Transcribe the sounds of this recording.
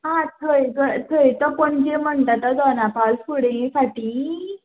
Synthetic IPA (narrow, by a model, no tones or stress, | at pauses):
ɦãt̪ʰəjɡət̪ʰəjt̪ɔpəɳd͡ʑem̤əɳʈ̪at̪ad̪ɔnapalfuɽẽfaʈiː